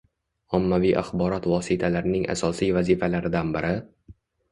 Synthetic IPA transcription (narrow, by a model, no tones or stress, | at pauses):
ɒmːavijʔa̰χbɒɾɒt̪vɒsɪt̪ʰalaɾɪnɪŋa̰sɒsijvazifalaɾɪd̪anbɪɾʔɪ